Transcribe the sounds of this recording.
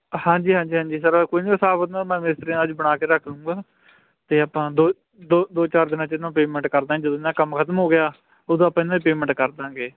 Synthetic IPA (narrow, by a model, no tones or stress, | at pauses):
hãːɲd͡ʒiːɦãːd͡ʒiːɦãːd͡ʒiːs̬əɾkoiniːsaːbət̪naːmɛ̃ːmɪsɾĩəd͡ʒbəɽaːkeːɾəkʰnũːɡaː | t̪eːaːpãːd̪oː | d̪oːd̪oːt͡ʃaːɾd̪ɪnãːt͡ʃɪnːãːpeːmɛ̃ɳʈkəɾd̪ãːd͡ʒəd̪õɪnãːkəmkʰət̪əmɦoːɡɪjaː | oːd̪õːpãːɪnãːiːpeːmɛ̃ɳʈkəɾd̪ãːɡeː